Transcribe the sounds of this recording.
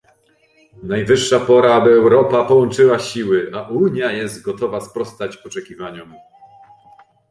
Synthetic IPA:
najvɘʂːapɔɾaabɘɛwɾɔpapɔwɔnt͡ʂɘwaɕiwɘʔaʔuɲjajɛzt̪ɡɔt̪ɔvaspɾɔst̪at͡ɕɔt͡ʂɛkʲivaɲɔm

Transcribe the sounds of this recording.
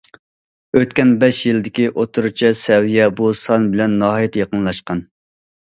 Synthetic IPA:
øt̪̚kʲɛnbɛʃjild̪ɪkʲiʔot̪ʰuɾut͡ʃʰisɛwijɛbusɑnbɪlɛnːɑɦjɛt̪jɑqənlˠɑʃqɑn

